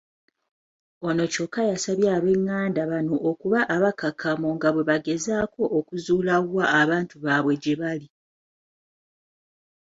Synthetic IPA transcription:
o̞no̞co̞kːajasaβjaːβe̞ŋːaːndaβano̞ʔːkuβaʔːβakakʰamoŋɡaβwe̞βaɡe̞zaːko̞ʔːkuzuːlaɣaːβaːntuβaβwe̞ɟeβali

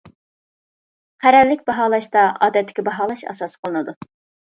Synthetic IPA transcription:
qʰæɾɛɾlːɪkʲbɑɦɑːlˠɑʃt̪ɑɑ̰ːd̪ɛt̪ʰːɪ̥kʲibɑɦɑːlˠɑʃɑ̰sɑsqʰəlˠɨnɨd̪u

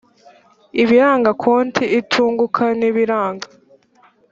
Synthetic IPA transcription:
iβiɾaːŋɡakʰoːntʰiitʰuːŋɡukʰaniβiɾaːŋɡa

